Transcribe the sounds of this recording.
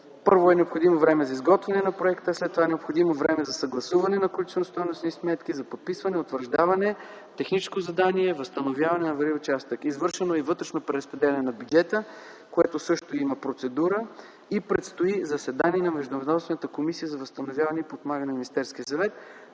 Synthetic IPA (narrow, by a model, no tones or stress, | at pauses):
pɤɾvoɛnɛopxod̪imovɾɛmɛzɐizɡɔt̪vɛnɛnɐpɾoɛkt̪əslɛt̪ːovaɛnɛopxod̪imovɾɛmɛzɐsɐɡlˠɐsuvɐnɛnɐkolʲit͡ʃ̪nost̪ɔjnosnismɛt̪kizɐpot̪̚pisvɐnɛot̪vəɾʒd̪avɐnɛ | t̪ɛxnit͡ʃɛ̥skozɐd̪aniɛvəst̪ɐnovjavɐnɛnɐvɐɾiʊt͡ʃast̪əkizvɤɾʃɛnoivɤt̪ɾɛʃnopɾɛɾɐspɾɛd̪ɛlɛnɛnɐbʲud͡ʒɛt̪ə | koɛt̪osɤʃt̪oiməpɾot̪sɛd̪uɾə | ipɾɛt̪st̪oizɐsɛd̪aniɛnɐmɛʒd̪ʊvd̪ɔsvɛnət̪əkomisijəzɐvəst̪ɐnovʲjavɐnɛipop̪maɡənminist̪ɛɾsk̟ijəsɐvɛt̪̚